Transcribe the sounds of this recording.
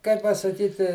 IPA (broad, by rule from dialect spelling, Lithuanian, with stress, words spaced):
kɐɪ pɐsɐˈkʲiːtʲɪ